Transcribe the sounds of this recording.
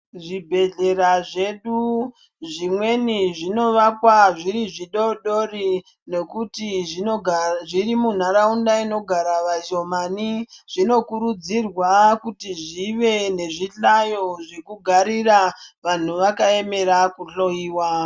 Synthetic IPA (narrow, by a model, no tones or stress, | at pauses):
ʐibʱe̞ɮe̞ɾaʐe̞ɗu | ʐimweniʐino̞ʋakwaʐiɾiʐiɗo̞ɗo̞ri | ne̞kutiʐiʐirimun̤aɾaundaino̞ɡʱaɾaʋaʒomaniʐ̥ino̞kuɾud͡zirwakutiʐiʋe̞ne̞ʐiɬajo̞ʐekuɡʱaɾiraʋan̤uʋakae̞me̞ɾakuɬo̞iːwa